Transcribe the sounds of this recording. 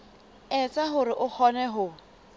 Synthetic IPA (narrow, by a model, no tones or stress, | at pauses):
ɛt͡sʼaɦʊɾɪʔʊk͡xʰɔnɛɦʊ